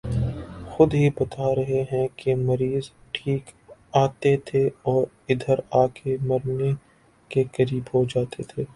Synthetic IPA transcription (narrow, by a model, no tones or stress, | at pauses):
xʊd̪ɦibɐt̪aɾɐɦeɦɛ̃kemɐɾiːz | ʈʰiːkaːt̪et̪ʰeɔːɾ | ɪd̪ʱəɾaːkʰemɐɾne | kekɐɾiːbɦod͡ʒaːt̪et̪ʰeː